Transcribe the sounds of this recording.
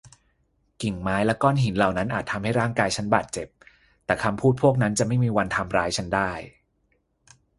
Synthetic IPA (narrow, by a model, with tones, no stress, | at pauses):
ki˨˩ŋmaː˦˥jlɛ˦˥kɔː˥˩nɦi˩˦nla˨˩wna˦˥nʔaː˨˩t̪̚ʰːa˧mha˥˩jɾaː˥˩ŋkaː˧jt͡ɕʰa˦˥nbaː˨˩t̪̚t͡ɕe˨˩p̚ | t̪ɛː˨˩kʰa˧mpʰuː˥˩t̪̚pʰu˥˩ək̚na˦˥nt͡ɕa˨˩ma˥˩jmiː˧wa˧nt̪ʰa˧mɾaː˦˥jt͡ɕʰa˦˥ndaː˥˩j